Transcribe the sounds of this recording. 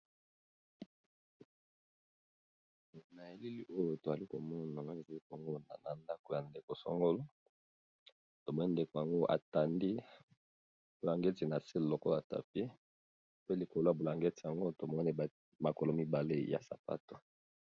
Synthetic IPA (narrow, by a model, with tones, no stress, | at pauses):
na˨je˨li˦li˦ʔo˦jo˨to˨za˨li˦ko˨mɔ˦na˨˦e˨za˨li˦ka˨ŋɡo˦na̰˨na˨nda˦ko˨ja˨nde˨ko˨sɔ̰˦ŋɡo˦lo˦ | to˨mɔ˦ni˦nde˨ko˨ja˨ŋɡo˦ʔa̰˨ta˨ndi˦ | bo˨la˨ŋɡe˦ti˨na˨si˦llo˨ko˦˨a˨ta̰˨p̚i˦ | pe˦li˨ko˨lo˦ja˨bo˨la˨ŋɡe˦ti˨ja˨ŋɡo˦to˨mɔ˦ni˦˨ | ma˨ko˨lo˦mi˦ba˨le˦ja̰˨sa˨pa̰˦to̥˨